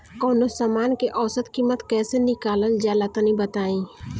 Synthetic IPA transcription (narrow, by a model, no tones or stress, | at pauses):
kɔːnosaːmaːnkeʔɔːsət̪kiːmət̪kɛːsenɪkaːləld͡ʒaːlat̪ənĩbət̪aːĩː